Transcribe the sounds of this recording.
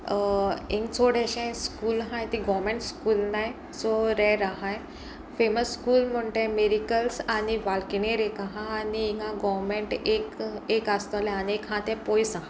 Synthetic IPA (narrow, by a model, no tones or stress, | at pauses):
ẽŋkt͡soɽɛɕãjskuːlɦãjt̪iɡɔʋmẽɳʈskuːlnaj | t͡soɾɛɾaɦãj | feməsːkuːlm̤əɳʈẽmeɾikəlsañiʋalkineɾekaɦãːniiŋɡãɡɔʋmeɳʈekekast̪ɔlɛaniekɦãt̪ɛ̃pojsaɦã